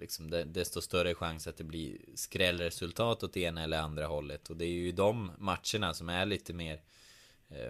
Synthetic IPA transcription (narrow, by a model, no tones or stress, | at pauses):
lɪksɔmd̪ɛd̪ɛst̪ɔst̪œɾəɧaŋsat̪̚d̪ɛblḭskɾɛlːɾɛsɵlt̪ʰɑːt̪ɔt̪̚ːeːnaɛlːəɾand̪ɾaɦɔlːət̪ʰɔd̪ɛæɾjɵɪd̪ɔmːat̪ʂəɳasɔmæɭiːt̪əmeːɾ